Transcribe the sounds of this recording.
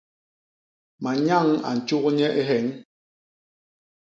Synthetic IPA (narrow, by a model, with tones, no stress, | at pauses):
ma˨ɲa˦˨ŋa̰˨n̩˨t͡ʃu˦kɲɛ˦ʔe˦ɦɛ˨˦ŋ